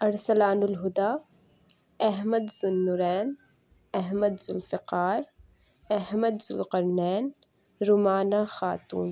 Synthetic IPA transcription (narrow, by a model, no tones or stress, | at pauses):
ɐɾsɐlaːnʊlɦʊd̪aː | ɐɦməd̪zʊnːʊɾɛːn | ɐɦməd̪zʊlfɪqaːɾ | ɐɦməd̪zʊlqɐɾnɛːn | ɾʊmaːnaːxaːt̪ṵːn